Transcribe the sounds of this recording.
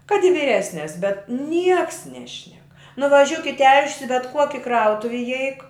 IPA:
kɐt ɪ ʋʲiːˈrʲæːsʲnʲɛs bʲɛt ˈnʲiɛks ˈnʲæːʃʲnʲɛk nʊʋɐˈʒʲʊk ɪ tʲɛlʲʃʲsʲ ɪ bʲɛt ˈkuɔkʲɪ ˈkrɐʊtʊw ɪˈɛɪk

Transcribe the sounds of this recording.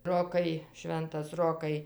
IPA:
ˈroːkɐɪ ˈʃʲʋʲɛntɐs ˈroːkɐɪ

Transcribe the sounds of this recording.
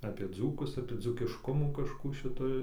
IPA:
ɐpʲiɛ ˈd͡zuːkʊs ɐpʲiɛ d͡zuːkʲɪʃˈkʊmuː kɐʃˈkuː ʃʲɪˈtoːj

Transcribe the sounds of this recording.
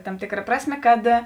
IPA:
tɐm ˈtʲeːkˌrɐ ˈprɑːsʲˌmʲeː kɐt

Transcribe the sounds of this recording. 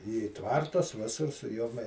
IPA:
iː ˈtʋɐrtʊs ˈʋʲɪsʊr sʊ ˈjoːm

